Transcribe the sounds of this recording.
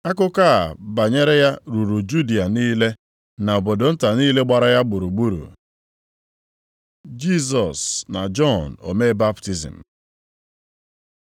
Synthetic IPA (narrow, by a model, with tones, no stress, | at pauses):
a˦kʊ˦ka˦a˨ba˨ɲe˦ɾe˦ja˦ɾu˨ɾu˨d͡ʒu˦di˨a˨niː˦le˦ | na˨o˨bo˨do˨n̩˦ta˨niː˦le˦ɡ͡ba˨ɾa˦ja˦ɡ͡bʊ˨ɾu˨ɡ͡bu˦ɾṵ˨ | d͡ʒi˦s̬ɔ˨sna˨d͡ʒɔ˦n˨o̰˨me˦ba˦pti˨zḭ˨m̩˨